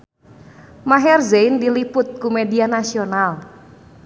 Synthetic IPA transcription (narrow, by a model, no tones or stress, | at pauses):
maɦɛrzeindilipʊt̪̚kumedianasional